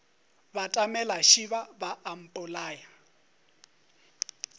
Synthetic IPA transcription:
batʼamɛlaʃiβabaːm̩pʼʊlaːja

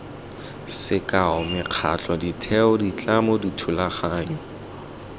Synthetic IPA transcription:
sɪkʼaʊmɪq͡χʰa̰t͡ɬʰʼɔditʰɛʊdit͡ɬʼamoditʰulaχaːɲ̩

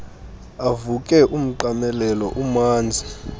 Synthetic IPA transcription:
avukʼɛʔum̩ǃamɛlɛlɔʔumaːnd͡zʱi

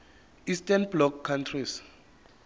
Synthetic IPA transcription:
istanblɔkʰːantʰris

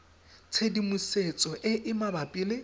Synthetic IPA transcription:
t͡sʰedimuset͡sʼɔʔɪʔɪmabapʼilɪ

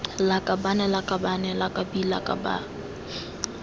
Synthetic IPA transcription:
lakʼabanɛlakʼabanɛlakʼabila̰kʼa̰ba̰

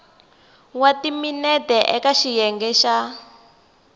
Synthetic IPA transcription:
watiminɛtɛʔɛkaʃijɛŋɡɛʃa

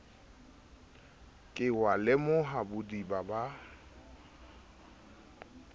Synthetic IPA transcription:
kʼɪwalɪmʊɦabʊdibaba

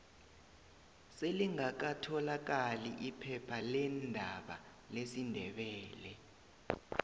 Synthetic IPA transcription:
seliŋak̬atʰɔlak̬aliʔipʰɛpʰalɛndʱaɓa̰ | lesindʱɛɓɛːlɛ

